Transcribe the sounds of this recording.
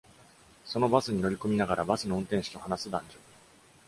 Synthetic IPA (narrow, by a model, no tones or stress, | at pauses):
so̞no̞basɨɲ̟ino̞ɾʲiko̞mʲinaɡaɾabasɨno̞ɯ̟̃nt̪ẽɰ̃ɕi̥kʲiohanasɨd̪ã̰ɲ̟d͡ʑo